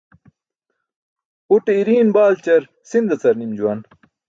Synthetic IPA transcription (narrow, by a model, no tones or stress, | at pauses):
uʈeiɾiːnbaːlt͡ɕɐɾ | sind̪ɐt͡sɐɾnimd͡ʑuwɐn